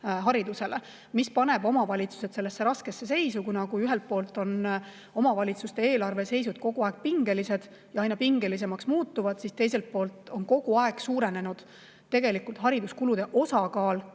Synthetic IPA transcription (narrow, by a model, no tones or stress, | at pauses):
ɦɑɾid̪use̞le | mispɑne̞bo̞mɑvɑlʲit̪su̥se̞t̪se̞lːesːe̞ɾɑske̞sːe̞se̞jsukujnɑkuyɦelt̪̚po̞ːlt̪ːˑo̞n | o̞mɑvɑlʲit̪sust̪e̞e̞ːlɑrve̞se̞jsud̪̥̚ko̞ɡ̥uɑe̞ɡ̥̚piŋɡe̞lise̞d̪̥ | jɑɑjnɑpiŋɡ̥e̞lis̬e̞mɑksmuːt̪ːˑuvɑd̪̥sist̪e̞jse̞lt̪̚po̞ːlt̪o̞nko̞ɡ̥uɑeɡ̥suːɾe̞ne̞nud̪̥ | t̪e̞ɡ̥e̞likult̪ɦɑɾid̪uskulud̪̥e̞ʔo̞sɑkɑːl